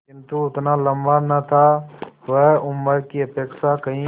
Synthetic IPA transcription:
kɪ̃nt̪uʊt̪nalə̃mbanɐt̪ʰaʋɛʊmːəɾkiəpeːkʃakɐɦĩ

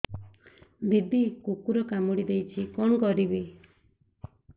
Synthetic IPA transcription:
bid̪ʱikukuɾɔkamuɽid̪ejt͡ʃʰikɔɳkɔɾibi

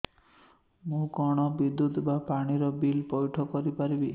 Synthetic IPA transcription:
mũkɔɽ̃ɔbid̪ːut̪bapaɽ̃iɾɔbilpɔjʈʰɔkɔɾipaɾibi

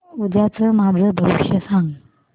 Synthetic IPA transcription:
ud͡ʑat͡səmad͡zʱəbʱəʋiɕjəsaŋ

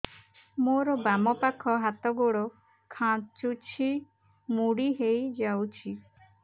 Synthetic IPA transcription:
moɾɔbamɔpakʰɔɦat̪ɔɡoɽɔ | kʰãt͡ʃut͡ʃʰi | muɽiɦejd͡ʒawt͡ʃʰi

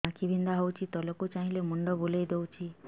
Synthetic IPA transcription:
ãkibʱind̪aɦɔwt͡ʃʰit̪ɔlɔkut͡ʃaɦĩlemuɳɖɔbolejd̪ewt͡ʃʰi

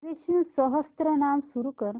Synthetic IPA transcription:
ɾeɕusɔɦəst̪ɾənamsuɾukəɾ

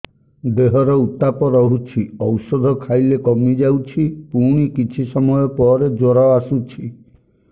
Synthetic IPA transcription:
d̪eɦɔɾɔut̪ːapɔɾɔɦut͡ʃʰiɔwsɔd̪ʱɔkʰajlekɔmid͡ʒawt͡ʃʰipuɽ̃ikit͡ʃʰisɔmɔjɔpɔɾed͡ʒoɾaasut͡ʃʰi

